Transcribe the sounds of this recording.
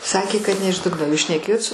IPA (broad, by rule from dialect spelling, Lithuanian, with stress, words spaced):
sɐˈkʲeː kɐt nʲɛ ɪʃ ˈdʊɡnoː oː juːs ʃʲnʲɛˈkʲeːjoːt sʊ